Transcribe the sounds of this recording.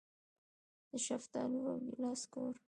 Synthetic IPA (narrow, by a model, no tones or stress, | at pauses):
d̪̥əʃaft̪ɑnuwaɡilɑskoɾ